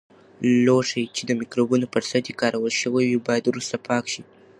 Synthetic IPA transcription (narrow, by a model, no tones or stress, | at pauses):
loʂajt͡ʃed̪əmɪkɾobunopəɾsad̪jekɑɾawəlʃəwawibɑjad̪wɾust̪apʰɑkʃi